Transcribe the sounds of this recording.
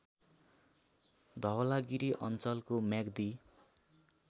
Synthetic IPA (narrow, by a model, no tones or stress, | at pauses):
d̪ʱʌwʌlaɡiɾiʔʌnt͡sʌlkomjaɡd̪i